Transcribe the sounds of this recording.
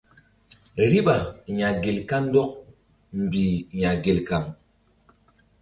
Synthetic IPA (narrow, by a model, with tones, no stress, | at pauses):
ɾi˦ɓa˨ɲa˨ɡe˨lka˦n˦dɔ˦k̚ | m̩˨bi˨ɲa˨ɡe˨lka˨ŋ